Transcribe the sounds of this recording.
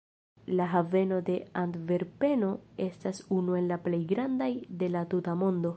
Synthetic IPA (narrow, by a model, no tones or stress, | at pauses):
laɦave̞no̞de̞antve̞ɾpe̞no̞e̞stasunue̞nlaple̞jɡɾandajde̞latutamo̞ndo̞